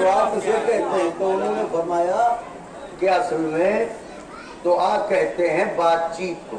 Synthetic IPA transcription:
oaːpsekɛɦt̪eɦɛ̃t̪oʊnɦõnefɐɾmaːja | kjaːsʊɾʋẽ | t̪oʔaːkɛɦt̪eɦɛ̃baːt̪̚t͡ʃiːt̪o

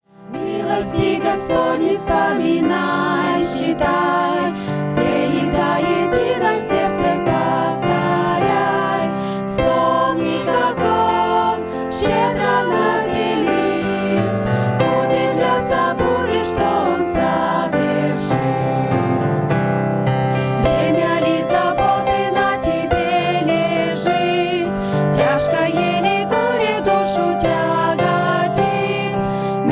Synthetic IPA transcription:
mʲilˠəsʲtʲɪɡɐspodʲnʲɪfspəmʲɪnajɕːɪt̪aj | fsʲejɪɡd̪ajɪdʲinəjsʲert̪sɛpəft̪aɾʲaj | fspomnʲiɡɐkon | fɕed̪ɾənɐzɾʲɪlʲi | udʲɪvlʲat̪sɐbudʲɪt̪ʂt̪oɔnzɐ | vʲɪ | rʂɨ | bɾʲɪmʲalʲizɐbot̪ɨnɐtʲɪbʲe | lʲe | ʐɨ | t̪ | tʲaʂkəjelʲɪɡuɾʲɪd̪uʂutʲaɡadʲi | t̪

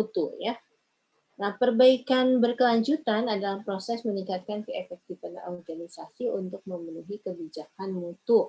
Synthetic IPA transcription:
ut̪uja | nahpərbaikanbərkəlaɲd͡ʒut̪anadalapɾosɛsməniŋkat̪̚kankəefɛk̚t̪ifanɔ̰rɡanisasiunt̪ʊk̚məmənuɦikəbid͡ʒakanmut̪ʊ

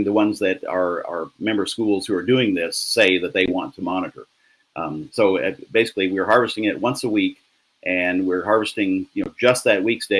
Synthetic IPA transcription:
ŋðɨwʌ̃nzðɨɾə˞ə̰˞mɛ̃mbə̥˞skulˠz̥huə˞dʉɪ̃ŋðɪseɪðɨt̪̚ðeɪwɑ̃ntʰəmɑnɨɾə̰˞ | soʊbeɪsɪ̥kliwiɹɦɑɹvɨstɪ̃ŋɪt̚wʌ̃nsəwik | ʔɨ̃nwɪɹɦɑɹvɨstɪ̃ŋjɨnoʊd͡ʒʌst̪̚ðɨt̚wiksd̥e

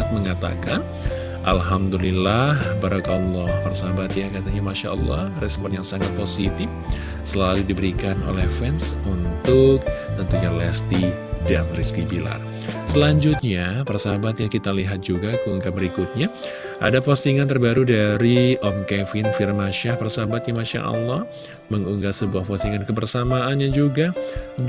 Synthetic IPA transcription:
at̪̚məŋat̪a̰kan | ʔa̰lɦamd̪ulilahbaɾakaɔlˠːɔhpaɾasaɦabat̪jakat̪aɲamaʃa̰ʔɔ̰lˠːɔ̰hrɛspɔnjaŋsaŋat̪̚posit̪ɪf | səlaludibəɾikano̰lɛhfɛnsunt̪ʊk̚t̪ənt̪uɲalɛst̪i | danriskibila̰r | səlaɲd͡ʒut̪̚ɲapərsaabat̪̚jakit̪aliɦat̪̚d͡ʒuɡakəuŋɡabəɾikut̪̚ɲa | ʔa̰dapost̪iŋant̪ərbaɾudaɾiʔɔmkɛfɪnfirmaʃahpərsabat̪̚jamaʃa̰ʔɔ̰lːɔh | məŋuŋɡasəbuahpost̪iŋankəbərsamaʔanɲad͡ʒuɡa

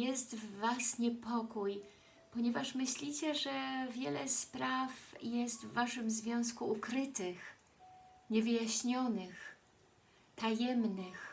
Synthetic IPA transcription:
jɛst̪vvasɲɛpɔkuj | pɔɲɛvaʂmɘɕlʲit͡ɕɛʐɛvʲjɛlɛspɾafjɛst̪vːaʂɘmzvʲjɔ̃w̃s̬kuukɾɘt̪ɘx | ɲɛvɘjaɕɲɔnɘx | t̪ajɛmnɘx

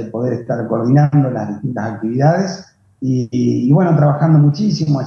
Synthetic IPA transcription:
epo̞ð̞eɾest̪aɾkoɾð̞inand̪o̞lazðit̪int̪asak̚t̪iβiðaðes | iːβwe̞not̪ɾaβaxand̪o̞mut͡ʃisimoa

